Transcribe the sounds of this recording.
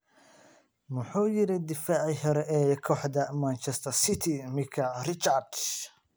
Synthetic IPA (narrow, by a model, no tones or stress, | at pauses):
mʊħuːjɪɾɪd̪ɪfaːʕiɦɔɾɛʔɛːjkʰɔːħd̪ɐmɐnt͡ʃɛst̪ʰɐrsɪt̪ʰimɪkʰɐrɪt͡ʃard̪